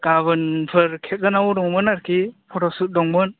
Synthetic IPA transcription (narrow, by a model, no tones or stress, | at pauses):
ɡ̥abɯnpʰɯɾkʰek̚ɡɯnawdɔŋmɯnaɾkʰipʰɔtɔsut̚dɔŋmɯn